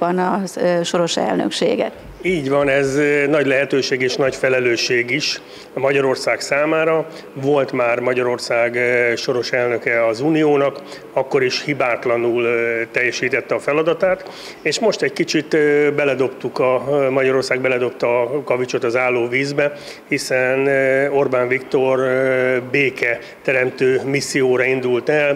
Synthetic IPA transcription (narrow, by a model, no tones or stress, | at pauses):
ɒnɒʃo̞ɾo̞ʃɛ̰lnø̰kʃḛːɡɛ̰t̪ | iːɟʋɒnɛznɒɟlɛɦɛt̪øːʃeːɡeːʃnɒɟfɛlɛløːʃeːɡiʃ | mɒɟɒɾo̞rsaːksaːmaːɾɒ | vo̞lt̪maːrmɒɟɒɾo̞rsaːɡʃo̞ɾo̞ʃɛlnø̞kɛɒzuːnijoːnɒk | ɒkːo̞ɾiʃhibaːt̪lɒnult̪ɛjːɛʃiːt̪ɛt̪ːɛɒfɛlɒd̪ɒt̪aːt̪ | eːʃmo̞ʃt̪ɛckit͡ʃit̪bɛlɛd̪o̞pt̪ukɒmɒɟɒɾo̞rsaːɡ̚bɛlɛd̪o̞p̚t̪ɒkɒvit͡ʃo̞t̪ɒzaːlːoːviːzbɛ | hisɛno̞rbaːɱvikt̪o̞rbeːkɛ | t̪ɛɾɛmt̪øːmisːijoːɾɒind̪ult̪ɛl